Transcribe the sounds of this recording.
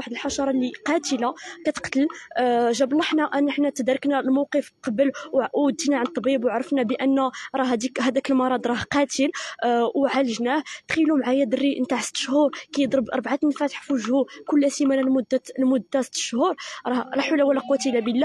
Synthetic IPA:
aħəd̪əlħɑʃɑɾˤɑliqɑt̪əlakæt̪ə̥qt̪əlʒæblˤːɑħnæʔænəħnæt̪əd̪ɾˤəknælmowqəfqɑbəlwʕʔud̪inaʕant̪ˤːbibwʕɾˤəfnæbəʔənːæɾˤɑɦd̪ikɦæd̪ækəlmɑɾˤɑd̪ɾˤɑhqɑt̪əlwʕaləʒnæht̪xilumʕajæd̪ərːiʔnt̪aʕsə̥t̪ːə̥ʃhuɾˤkæjəd̪ˤɾəbʔɑɾˤbʕat̪nfæt̪əħfuʒhukʊlːæsimælælmʊd̪ːælmʊd̪ːæsə̥t̪ːə̥ʃhuɾˤɾˤɑhɾˤɑħulːæwælːæqut̪ilæbəlːæ

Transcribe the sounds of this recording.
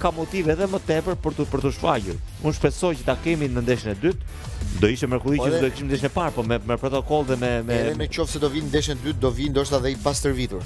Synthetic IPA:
kamɔt̪ivɛðɛmət̪ɛpəɾpəɾt̪upəɾt̪uʃfa̰ʎuɾunʃpɛsɔjcə̥t̪akɛminənd̪ɛʃnɛd̪yt̪ | d̪ɔiʃɛmɛɾkɔlˠid̪ɔɛki̥ʃmnd̪ɛʃ̬nɛpaɾpɔmɛmɛpɾɔt̪ɔkɔlˠðɛmɛmɛɛmɛt͡ʃɔfsɛd̪ɔvinnd̪ɛʃnɛd̪yt̪̚d̪ɔvind̪ɔʃt̪aðɛipast̪əɾviðuɾ

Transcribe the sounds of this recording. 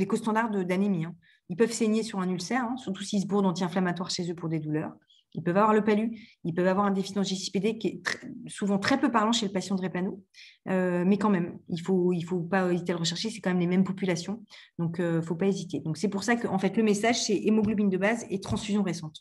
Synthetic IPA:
lekost̪ɑ̃d̪aʁd̪əd̪anemiɛ̃ | ilpœvseɲesyʁɛ̃nylsɛʁɛ̃syʁt̪usiːls̬buʁd̪ɑ̃t̪iɛ̃flamat̪waʁʃezøpuʁd̪ed̪ulœːʁ | ilpœvavwaʁləpalyilpœvavwaʁɛ̃d̪efid̪ɑ̃ʒisi̥ped̪ekʲɛt̪χɛsuvɑ̃t̪χɛpøpaʁlɑ̃ʃelpasjɑ̃d̪ʁepanoømɛkɑ̃mɛmilfoilfopaezit̪ealʁəʃɛʁʃesɛ̥kɑ̃mɛmlemɛmpɔpylasjɔ̃d̪ɔ̃køfopaezit̪ed̪ɔ̃ksɛpuʁsakəʔɑ̃fɛt̪ləmesaʒsɛʔemoɡlɔbind̪əbazet̪χɑ̃sfyzjɔ̃ʁesɑ̃t̪

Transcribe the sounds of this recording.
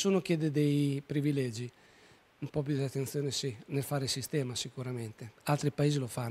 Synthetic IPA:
suːnok̟jeːd̪ed̪ejpɾivilɛd͡ʒi | umpɔp̬jud̪at̪ːent̪sjoːnesinelfaːɾesist̪ɛːmasikuɾament̪ealt̪ɾipaeːzilofanː

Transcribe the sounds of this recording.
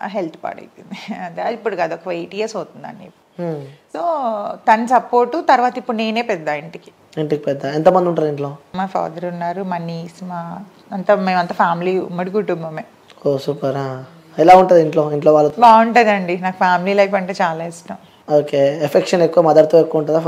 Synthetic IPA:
ɦelt̪ʰpa̰ːɽɐ̰jt̪ind̪iɐnt̪eipːuɽukaːd̪uɔkɐʋɐjʈijesoːt̪und̪a̰ːnːḭːpusoːt̪ɐnɐsɐpoːɾʈut̪ɐɾʋaːt̪ɐipːuɽune̞ːne̞ːpɛd̪ːaːiɳʈiki̥ | iɳʈikipɛd̪ːaent̪ɐmɐnd̪iuɳʈaːɾiɳʈloːmaːfa̰ːd̪ɐɾunːaːɾumɐniːsmaː | ɐnt̪ɐmeːmɐnt̪ɐfʰaːmiliːṵmːɐɽiɡuʈːumbɐmeː | koːsukɐɾa | ɛlaːuɳʈund̪iɳʈlo̞ːiɳʈloːʋaːlːubaːuɳʈud̪ɐɳɖinaːkɐpʰaːmiliːlɐjfɐɳʈeːt͡ʃaːlaːisʈɐm | oːkeːefʰekʂɐnekːuʋamɐd̪ɐɾt̪uekːuɐuɳʈ̬und̪a

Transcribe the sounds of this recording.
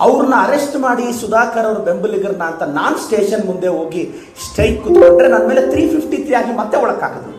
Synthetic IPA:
ɐʋɾɐnːuɐɾesʈmaːɽisud̪aːkɐɾɐʋɐɾube̞mbɐliɡɐɾnaːnt̪ɐnaːnsʈe̞ːʂɐnmund̪eɦo̞ːɡi | sʈɐjkːud̪oɳɖɾenɐnːɐmeːle̞t̪ʰɾiːpʰipʰʈit̪ʰɾiaːɡimɐt̪ːeɔɭɐka̰ːɡɐd̪e

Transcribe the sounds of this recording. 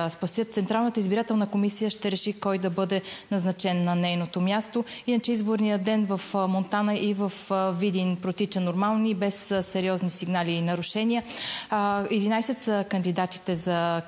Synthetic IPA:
spɐsjət̪t̪sɛnt̪ɾalˠnət̪əizbiɾat̪ɛlˠnəkomisijəʃt̪ɛɾɛʃikɔjd̪ɐbɤd̪ɛnɐznɐt͡ʃɛnːɐnɛjnot̪omʲjast̪oinɐt͡ʃɛizboɾnijəd̪ɛnvɐfmont̪anəʔivəfvid̪inpɾot̪it͡ʃənoɾmalˠnibɛssɛɾiɔznisiɡnaliːnɐɾʊʃɛnʲiə | ɛd̪inajsɛt̪səkənd̪id̪at̪i̥t̪ɛzɐ

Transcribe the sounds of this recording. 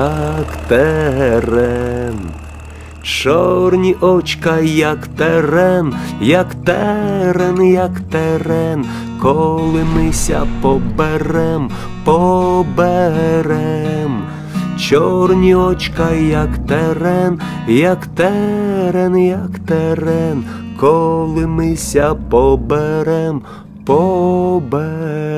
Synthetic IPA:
akt̪ɛɦɛɾɛn | t͡ʃɔrnʲiʔɔt͡ʃkajakt̪ɛɾɛnjɐkt̪ɛɾɛnjɐkt̪ɛɾɛn | kɔlˠɪmɪsʲɐ̰pɔbeɾɛm | pɔbɛɾɛm | t͡ʃɔrnʲiɔt͡ʃkɐjɐkt̪ɛɾɛn | jɐkt̪ɛɾɛnjɐkt̪ɛɾɛn | kɔlˠɪmɪsʲɐpɔbeɾɛm | pɔbɛ

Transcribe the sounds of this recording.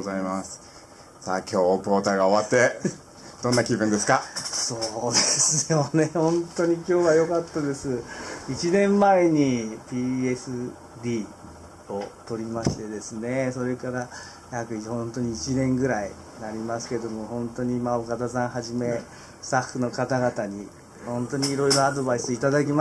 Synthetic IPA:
aimasɨ̥ | sa̰ːkʲo̞ːpo̞ːt̪aɡao̞βat̪ːe | d̪̥õ̞nːakʲibɯ̟̃nd̪e̞sɨ̥kaso̞ːd̪esɨjone̞hõ̞nt̪o̞ɲ̟ikʲo̞ːβajo̞kat̪ːad̪e̞sɨit͡ɕinẽ̞mːaeɲ̟ipʲiːesɨ | d̪ʲiː | o̞t̪o̞ɾʲimaɕi̥t̪e̞d̪e̞sɨne̞so̞ɾe̞kaɾa | jakɯ̟ihõ̞nt̪o̞ɲ̟iit͡ɕinẽ̞ŋɡɯ̟ɾai | naɾʲimasɨ̥ke̞d̪o̞mo̞hõ̞nt̪o̞ɲ̟imaokat̪azãɰ̃ɦaʑime̞ | st̪ahːɯ̟no̞kat̪aɡat̪aɲ̟i | hõ̞nt̪o̞ɲ̟iːɾo̞iɾo̞ad̪o̞baisɨit̪ad̪ak̬ʲima

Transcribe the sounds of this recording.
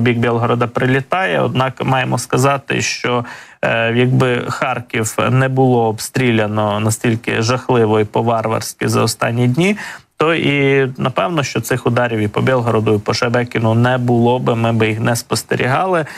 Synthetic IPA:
bʲiɡ̚bʲɛlˠɦɔɾɔd̪ɐpɾɪlʲɪt̪ɑjɛɔ̰d̪̚nɑkmɑjemɔskɐzɑt̪ɪ̰ʃt͡ʃɔ | jɐɡ̚bɪxɑrkʲiwnɛbʊlˠɔːbst̪ɾʲilʲɐnɔnɐsʲtʲilʲkɪ̰ʒɐxlˠɪʋɔipɔʋɑrʋɐ̰rsʲkʲɪzɐɔst̪ɑ̰nʲːidʲnʲit̪ɔʔinɐpɛwnɔʃt͡ʃɔt̪sɪxʊd̪ɑɾʲiwipɔbʲɛlˠɦɔɾɔd̪ʊipɔʃɐbɛkʲɪnʊnɛbʊlˠɔbɪmɪbɪjixnɛspɔst̪ḛɾʲḭɦɑlˠɪ

